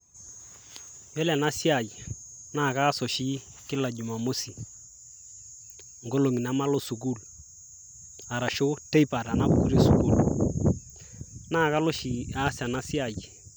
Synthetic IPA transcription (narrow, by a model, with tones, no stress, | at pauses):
jɛ˦la˨na˦si˦a˨j | na˦˨ka˦sɔ˨ʃi˦ | kɪ˦la˨d͡ʒu˨ma˨mo˦si˨ | ŋɡo˦lo˨ŋi˨na˨˦ma˦lo˦su˨ku˦l | a˨ɾa˨ʃo˦te˦jpa˨ɾa˨na˦bṵ˨u˦ɾe˦su˨ku˦l | na˦˨ka˦lo˦ʃi˨a˦sa˨na˦sɪ˦a˨j